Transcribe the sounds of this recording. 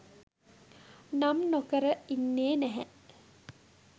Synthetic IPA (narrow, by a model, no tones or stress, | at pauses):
namnokəɾəinːeːnæɦæʔ